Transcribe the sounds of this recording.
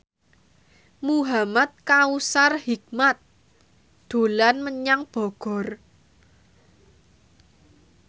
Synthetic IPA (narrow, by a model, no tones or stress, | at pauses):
muɦamat̪̚kausarhik̚mat̪̚ | d̪̥o̤lanməɲaŋb̥ɔ̤ɡ̥ɔ̤r